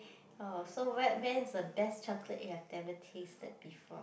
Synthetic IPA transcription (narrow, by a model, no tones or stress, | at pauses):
osowɛwɛ̃nsdəbɛst͡ʃakʰlə̰ʔjuhɛvdɛvətʰestə̰d̚bifɔ̰